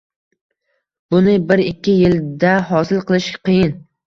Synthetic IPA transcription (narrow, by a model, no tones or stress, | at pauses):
b̥ʊnɪbɪɾɪkʲːɪjɪld̪aɦɒsɪlˠqɨlˠɪʃqʰɨjɪn